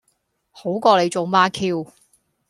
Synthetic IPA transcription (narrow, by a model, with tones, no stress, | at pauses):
ho˨˥wkɔː˧le˨˧jt͡so˨wmaː˧kʰiː˧w